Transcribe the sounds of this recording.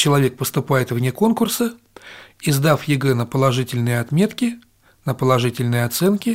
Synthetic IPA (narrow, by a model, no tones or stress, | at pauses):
t͡ɕɪlˠɐvʲe̞k̚pəst̪ʊpajɪt̪vnʲeko̞nkʊrsə | ɪzd̪afjɪɡɛnəpəlˠɐʐɨtʲɪlʲnɨjəɐt̪mʲe̞t̪kʲɪ | nəpəlˠɐʐɨtʲɪlʲnɨjəɐt̪sɛnkʲɪ